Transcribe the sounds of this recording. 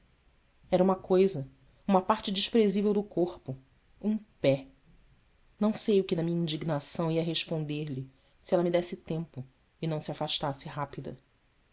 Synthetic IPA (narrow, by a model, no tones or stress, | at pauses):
ɛɾɐũmɐkojzɐ | ũmɐpaɾt͡ʃɪd͡ʒiʃpɾezivewd̪ʊkoχpʊ | ũpɛ | nɐ̃w̃sejʊkɪnɐmĩɲɐĩnd͡ʒiɡnasɐ̃w̃iɐɦeʃpõnd̪eɾlɪ | siɛlɐmid̪ɛsɪt̪ẽmpʊ | ɪnɐ̃w̃siafaʃt̪asɪɦapid̪ɐ̰